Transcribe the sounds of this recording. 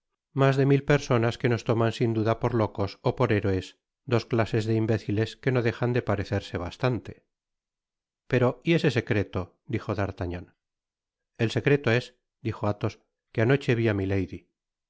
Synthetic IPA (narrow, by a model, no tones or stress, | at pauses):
mazðe̞milpe̞ɾso̞naske̞no̞st̪o̞mansind̪uðapo̞ɾlo̞ko̞sopo̞ɾeɾoes | d̪o̞sklase̞zðeimbe̞θile̞ske̞no̞ðe̞xand̪e̞paɾe̞θe̞ɾse̞β̞ast̪ant̪e̞̥ | pe̞ɾo̞ie̞se̞se̞kɾe̞t̪o̞ | d̪ixo̞ðaɾt̪aɲon | else̞kɾe̞t̪o̞e̞s | d̪ixo̞at̪o̞s | keano̞t͡ʃe̞βiamile̞jði